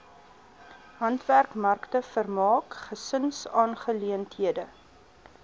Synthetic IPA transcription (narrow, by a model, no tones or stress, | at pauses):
ɦɐntværkmɐrktəfərmɑːkχəsənsɑːnχəliəntɦiədə